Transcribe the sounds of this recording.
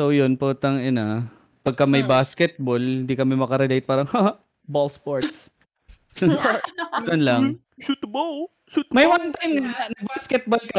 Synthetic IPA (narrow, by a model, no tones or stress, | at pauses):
sowjonpuːt̪ɐŋɐna | pɐɡ̚kɐmɐjbaːskɛt̪̚bolhɪnd̪ikɐmɛmɐkɐɾɛlejt̪̚paːɾɐŋha | bolspoɹt̪s | jonlɐ | ut̪bo | ut̪mɐjwant̪ajmɐɐnɐbaskɛt̪̚bolkɐ